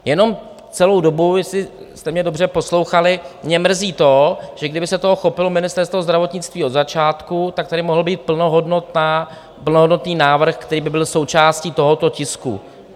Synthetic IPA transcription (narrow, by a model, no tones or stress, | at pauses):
jɛno̞m | t͡sɛlo̞wdo̞bujɛsɪst̪ɛmɲɛdo̞br̝ɛpo̞slo̞wxalɪmɲɛmr̩ziːt̪o̞ʒ̥ɛɡdɪbɪsɛt̪o̞ɦoxo̞pɪlomɪnɪst̪ɛɾst̪vo̞zd̪ɾavo̞t̪ɲɪt͡st̪viːod̪zat͡ʃaːt̪kut̪ak̚t̪aɾɪmoɦl̩biːt̪̚pl̩noɦodnot̪a | pl̩noɦodno̞t̪niːnaːvr̩xkt̪ɛɾiːbɪbɪlso̞wt͡ʃaːscit̪o̞ɦo̞t̪o̞cɪskṵ